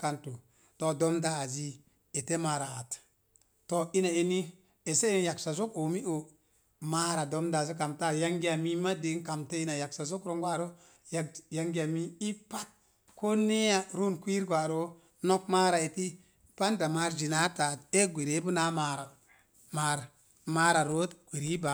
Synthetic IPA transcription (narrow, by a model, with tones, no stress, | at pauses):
ka˨ntu˨ | to˨do˦mdaː˦˨zi˦ | e˨te˦ma˨ɾa˨a˨t | to˦i˦na˨e˦ni˦ | e˨se˦˨nja˨ksa˨zo˦ko˨mi˦o˨ | ma˦ɾa˨do˦mda˦˨zi˦k̬a˨mta˦˨ja˦ŋɡi˦a˨mi˦ma˦di˨˦ka˨mte˦i˦na˨ja˨ksa˨zo˦kɾo˦ŋɡʷa˦˨ɾo˦ | ja˨ja˨ŋɡa˨mi˦i˦pa˦t̚ | ko˦ne˦ja˦ɾu˦nkʷi˦ɾɡʷa˨ɾo˦ | no˦k̚ma˦ɾa˨e˨ti˦ | pa˦nda˨ma˨˦ɾd͡ʒi˨na˦ta˨te˦ɡʷe˨ɾe˦bu˦na˦ma˨ɾa˨ | ma˦ɾ | ma˦ɾa˨ɾo˦t̪ɡ̥ʷe˨ɾi˦ba˨